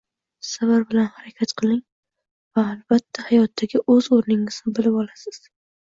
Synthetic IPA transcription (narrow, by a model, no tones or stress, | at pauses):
savaɾbɪlanhaɾakʲʰat̪qʰɨlˠɪŋ | vaːlbat̪ʰːahajɒt̪ʰːaɡʲɪʔɵzoɾnɪŋɪz̥ɪbɪlɪpɒlˠasɪz̥